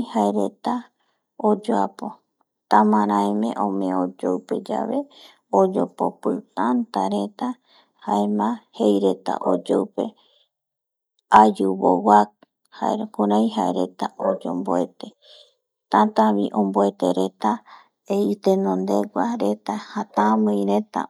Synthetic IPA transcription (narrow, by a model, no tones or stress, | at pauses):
haeɾe̞t̪a | od͡ʒoapo̞ | t̪ãmãɾãemḛ̃ʔõmḛ̃od͡ʒoupe̞d͡ʒa̰βe̞ | od͡ʒo̞po̰pɨt̪ãnt̪aɾe̞t̪a | haemãhejɾe̞t̪a̰ʔo̰d͡ʒowpe̞ | ad͡ʒuβo̰wak̚ | haeɾkuɾãj̃ɦaeɾe̞t̪aʔod͡ʒo̰mboet̪e | t̪ãt̪ãβiʔõmboet̪e̞̰ɾe̞t̪a | eit̪enõnd̪e̞ɡʷaɾe̞t̪ahat̪ãmɨ̃j̃ɾe̞t̪a̰